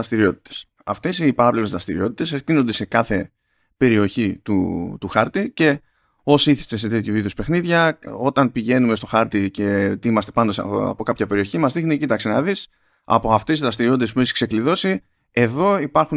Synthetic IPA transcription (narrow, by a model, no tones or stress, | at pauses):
ɐst̪iɾio̞t̪i̥t̪e̥s | ɐft̪e̞sipɐɾɐplevezðɾɐst̪ḭɾḭo̞t̪it̪e̞sesino̞nd̪e̞se̞kɐθe̞ | pe̞ɾio̞çit̪ut̪uxɐɾt̪ice̞ | o̞siθi̥st̪ese̞t̪e̞t̪çoviðespe̞xniðʝɐo̞t̪ɐnpiʝe̞nume̞st̪o̞xɐɾt̪ice̞t̪imɐst̪e̞pɐnd̪osɐ̰po̞kɐpçɐpe̞ɾio̞çimɐzðixnicit̪ɐksenɐðis | ɐ̰po̞ɐft̪e̞sizðɾɐst̪iɾio̞t̪it̪espueçi̥kse̞kliðo̞si | e̞ðo̞ipɐɾxu